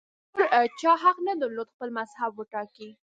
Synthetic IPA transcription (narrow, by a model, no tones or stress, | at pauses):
oɾt͡ʃɑɦaqnəd̪əɾlod̪xpəlmazhabwəʈɑki